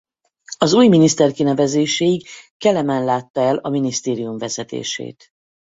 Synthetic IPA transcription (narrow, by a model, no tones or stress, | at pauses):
ɒzuːjminist̪ɛrkinɛvɛzeːʃejiɡkɛlɛmɛnlaːt̪ːɒɛlɒminist̪eːɾijumvɛzɛt̪ḛːʃḛːt̪